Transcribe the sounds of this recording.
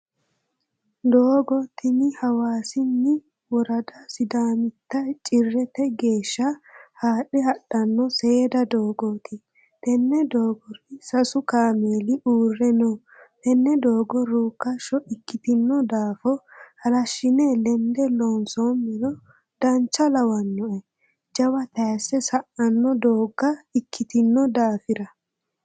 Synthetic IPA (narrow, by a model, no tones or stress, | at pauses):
d̪oːɡɔt̪ɪnɪhɐwaːsɪnːɪ | wɔɾɐd̪ɐsɪd̪aːmɪt̪ːɐjt͡ʃʼɪrːɛt̪ɛɡe̞ːʃːɐhaːɗɪhɐɗːɐnːɔsed̪ɐd̪o̞ːɡoːt̪ʰɪ | t̪ɛnːɛd̪oːɡɔɾɪsɐsʊkaːmeːlɪʔuːrːɛnoː | t̪ɛnːɛd̪oːɡɔɾuːkːɐʃɔʔɪkːɪt̪ɪnːɔd̪aːfɔhɐlɐʃːɪnɛlɛnd̪ɛloːnsoːmːɛlɔ | d̪̥ɐnt͡ʃːɐlɐwɐnːɔʔɛ | d͡ʒɐwɐt̪ɐjsːɛsɐʔɐnːɔd̪oːɡːɐɪkʰːɪt̪ɪnːɔd̪aːfɪɾɐ